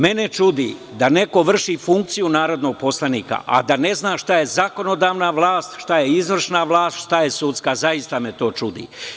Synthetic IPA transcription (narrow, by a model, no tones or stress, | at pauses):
me̞ne̞t͡ʃud̪ḭ | d̪ane̞ko̞ʋr̩ʃifuŋk̚t̪sijunaːɾo̞d̪no̞ɡ̚po̞slaniːka̰ʔa̰d̪ane̞znaːʃt̪aje̞zako̞no̞d̪aːʋnaʋlˠaːst̪ʃt̪aje̞izʋr̩ʃnaʋlˠaːst̪ʃt̪aje̞sut̪skazajist̪amet̪o̞ːt͡ʃud̪ḭ